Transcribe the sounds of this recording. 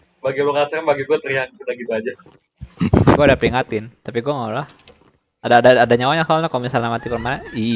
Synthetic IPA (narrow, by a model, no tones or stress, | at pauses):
baɡiluŋaasakanbaɡiɡuat̪əɾiaŋkudaɡit̪uad͡ʒa | ɡuadapəɾiŋat̪ɪnt̪apiɡuaŋalɔh | adadaːdaɲawaɲasaalɲakalmisalnamat̪ipərmanai